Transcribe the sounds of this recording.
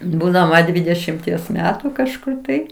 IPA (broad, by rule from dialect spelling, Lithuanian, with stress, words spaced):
ˈbuːdɐmɐ ˈdʲʋʲiːdʲɛʃʲɪmʲtʲiɛs ˈmʲæːtʊ kɐʃˈkʊr tɐɪ